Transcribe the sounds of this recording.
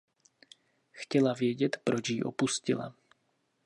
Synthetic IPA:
xcɛlavjɛɟɛt̪pɾo̞t͡ʃjiʔo̞̰puscɪ̰la̰

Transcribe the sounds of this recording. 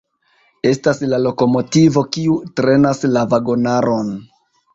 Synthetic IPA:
e̞staslalo̞ko̞mo̞tivo̞kiutɾe̞naslavaɡo̞naɾʔo̞n

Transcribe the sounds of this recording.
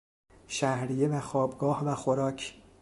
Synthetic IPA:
ʃæhɾijevæxɒːbɡɒːhvæxoɾɒːcʰ

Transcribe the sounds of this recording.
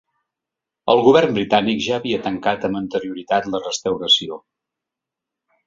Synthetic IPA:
əlˠɣuβ̞ɛrmbɾit̪anikʒaəβiət̪əŋkat̪əmbənt̪əɾiuɾit̪at̪lərəst̪əwɾəsio

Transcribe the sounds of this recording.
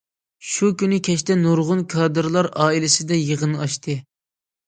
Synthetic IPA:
ʃukʲynɨkʲʰɛʃt̪ɛnuɾʁʊnkʰɑːd̪ɨɾlˠɑɾɑːilɪsɪd̪ɛjəʁənɨɑʃt̪ʰɨ

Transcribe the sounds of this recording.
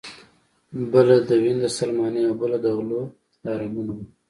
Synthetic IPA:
bəlad̪əwind̪əsalmɑneawbəlad̪əɣlo | lɑɾamunawi

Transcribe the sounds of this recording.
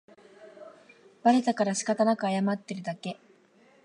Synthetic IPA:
b̥aɾet̪akaɾaɕi̥kat̪anakɯajamat̪ːe̞ɾɯ̟d̪ake̞

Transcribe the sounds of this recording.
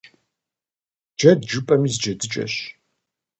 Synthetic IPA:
d͡ʒɐdd͡ʒupʼɐmizd͡ʒɐdɨt͡ʃʼɐ̰ɕ

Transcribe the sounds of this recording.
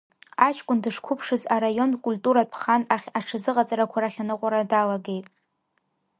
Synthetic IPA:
at͡ʃʰkʷʼʊndɨʂkʷʰʊpʰʂɨzaɾajo̞nkʷʼultʼuɾapʰχanaχʲaʈ͡ʂʰɨzɨqʼat͡sʼaɾakʷʰaɾaχʲanɨqʷʼaɾadalaɡe̞jtʼ

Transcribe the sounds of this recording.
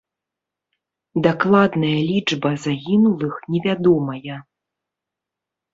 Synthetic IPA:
d̪aklˠad̪nɐjɐlʲid͡ʐbɐzaɣʲinulˠɨxnʲɛvʲad̪ɔmɐjɐ

